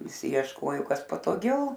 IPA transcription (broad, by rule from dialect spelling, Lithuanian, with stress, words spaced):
ʋʲɪˈsʲɪ iɛʃˈkoːjoː ˈkɐs pɐtoːˈɡʲɛʊ